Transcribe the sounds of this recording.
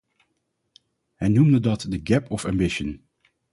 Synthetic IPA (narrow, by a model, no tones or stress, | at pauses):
ɦɛjnumdədɑtdəɡɛpʰɔfæmbɪʃən